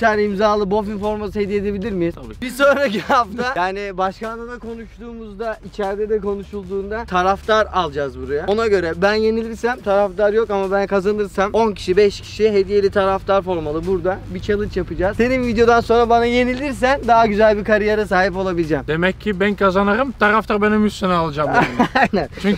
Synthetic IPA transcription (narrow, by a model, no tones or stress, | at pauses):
ænimzaːlˠɯbo̞finfo̞ɾmasɯɦe̞d̪ijed̪e̞bilʲiɾmibiso̞nɾacihaft̪ʰajaːnibaʃkand̪ad̪akʰo̞nuʃt̪uːmuzd̪ait͡ʃʰæɾd̪ɛd̪ɛko̞nuʃulˠd̪uːnd̪at̪ʰaɾaft̪aɾalˠd͡ʒaːzbuɾajao̞naɟø̞ɾɛbænje̞nilʲiɾsæmt̪ʰaɾaft̪aɾjo̞kamabænkʰazanɯɾsamo̞ncʰi̥ʃibɛʃcʰi̥ʃiɦe̞d̪ije̞lʲit̪ʰaɾaft̪ʰaɾfo̞ɾmalˠɯbuɾd̪abit͡ʃʰalˠɯt͡ʃjapɯd͡ʒaːzse̞ninvid̪ejo̞d̪anso̞nɾabanaje̞nilʲiɾs̬ænd̪aɦaɟyzælʲbikaɾijaɾas̬aːɦip̬o̞lˠabilʲid͡ʒɛmd̪e̞mɛcʰːibænkʰazanaɾɯmt̪ʰaɾaft̪ʰaɾbenimjyssenɛalˠd͡ʒamaajnɛnt͡ʃʰyɲ